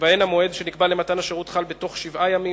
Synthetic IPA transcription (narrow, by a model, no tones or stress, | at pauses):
vaenamo̞e̞dʃenikbalematanaʃeʁutχalbeto̞χʃivajami